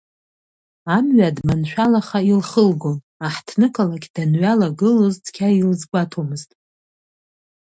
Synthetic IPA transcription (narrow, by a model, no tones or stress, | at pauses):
amɥadmanʃᶣalaχailχəlɡo̞n | aħtʰnɨkʼalakʲd̥anɥalaɡɨloztʰʼkʲʰailzɡʷatʰomɨztʼ